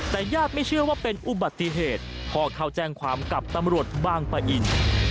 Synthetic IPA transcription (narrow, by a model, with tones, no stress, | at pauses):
t̪ɛː˨˩jaː˥˩t̪̚ma˥˩jt͡ɕʰɯ˥˩əwaː˥˩pe˧nʔu˨˩ba˨˩t̪ːi˧˨ɦeː˨˩t̪̚pʰɔː˧kʰa˧˩wt͡ɕɛː˧˩ŋkʰwaː˧mka˨˩p̚t̪a˧mɾu˨˩ət̪̚waː˧ŋpa˧ʔi˧n